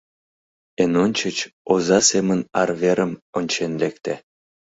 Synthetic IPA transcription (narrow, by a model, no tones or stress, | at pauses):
enonʲt͡ɕə̆t͡ɕozɑsemə̆nɑrveɾə̆monʲt͡ɕenlekt̪æ